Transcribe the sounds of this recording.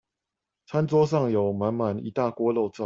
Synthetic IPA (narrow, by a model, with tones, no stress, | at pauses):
t͡sʰa˦nt͡swɔ˦ʂ̬ɑ˥˨ŋjo˨˩ʊma˨˦nma˨˦nḭ˨˦t̪a˥˨kwɔ˥˦lo˥˧ʊt͡sɑ˥˨